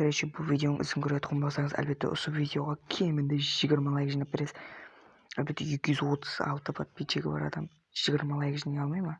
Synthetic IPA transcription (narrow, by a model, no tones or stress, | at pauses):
b̥ɪɾeʃe̞bʊlˠvijd̪ʲeo̞nəŋʔʏ̰zɪmkʲʰʏɾed̪əqʰomlɑsɑɾɴəzæ̰lbe̞t̪ːḛʔʊ̰suvijd̪ʲeo̞ʁɑkʲʰe̞mɪnd̪eʒijɡʲɪɾmɑlˠɑjʒijnɑp̚beɾesɪ | ælbe̞t̪ːeje̞kʲɪʒʏzwo̞t̪ʰə̥z̥ɑ̰lˠt̪əpɑt̪̚bʰeʃeɡʲebɑ̰ɾɑ̰d̪ɑm | ʒ̥ɪjɡʲɪɾmɑlˠɑjqʒinejɑlˠmɑjmɑ